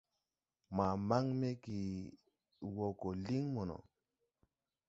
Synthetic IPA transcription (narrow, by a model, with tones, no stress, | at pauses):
ma˨ma˦ŋme˦ki˨ | wo˨ko˨li˦ŋmo˨no̰˨